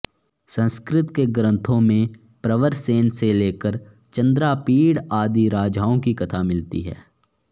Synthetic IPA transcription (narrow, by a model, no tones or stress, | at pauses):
sə̃nskɾɪt̪keɡɾə̃nt̪ʰõmẽ | pɾəʋəɾseːnseleːkəɾ | t͡ʃə̃nd̪ɾapiːɽaːd̪iɾaːd͡ʒaːõkikɐt̪ʰamɪlt̪ḭɦɛ̰ː